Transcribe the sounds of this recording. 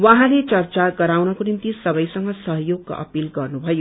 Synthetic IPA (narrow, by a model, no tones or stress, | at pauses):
waɦãlet͡sʌrt͡saɡʌɾawnʌkonimt̪isʌbʌjsʌŋɡʌsʌɦʌjoɡ̚ka̰ʔʌ̰pilɡʌrnubʱʌjo